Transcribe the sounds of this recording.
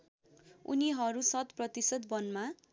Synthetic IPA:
ṵniɦʌɾusʌt̪prʌt̪isʌd̪̚bʌnma

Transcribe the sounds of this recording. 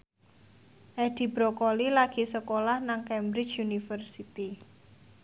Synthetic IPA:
ʔɛd̪̥i̤bɾokolilaɡ̥i̤səkolahnaŋkɛmbɾɪt͡ʃjunifərsit̪i

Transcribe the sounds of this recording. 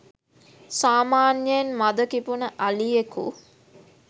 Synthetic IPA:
saːmaːnjəjenmad̪əkipunəʔalijekṵ

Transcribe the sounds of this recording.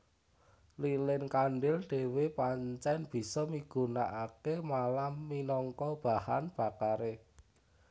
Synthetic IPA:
lilɪnkaɳɖɪlɖ̥e̤wepaɲt͡ʃɛnb̥i̤sɔmiɡ̥ṳnaʔakemalamːinɔŋkɔb̥a̤hanb̥a̤kaɾe

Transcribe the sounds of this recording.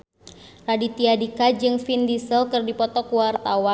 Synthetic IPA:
radit̪iadikad͡ʒɨŋfindisəlkɨrdipɔt̪ɔkuwart̪awan

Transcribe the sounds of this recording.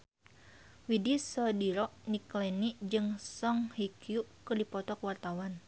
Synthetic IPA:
widisɔdiɾɔʔniklɛniʔd͡ʒɨŋsɔŋhikjuʔkɨrdipɔt̪ɔkwart̪awan

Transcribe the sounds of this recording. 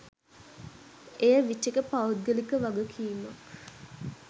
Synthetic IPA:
ejəʋiʈːekəpaud̪̚ɡəlikəʋaɡəkʰimak

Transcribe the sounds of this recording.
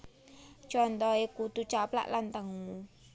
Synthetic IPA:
t͡ʃɔnt̪ɔekut̪ut͡ʃapla̰ʔlant̪əŋu

